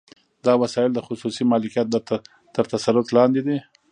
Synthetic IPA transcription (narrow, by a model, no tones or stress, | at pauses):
d̪ɑwasɑɪld̪əxʊsusimɑlɪkijat̪̚ | t̪əɾt̪asaɾʊt̪lɑnd̪id̪i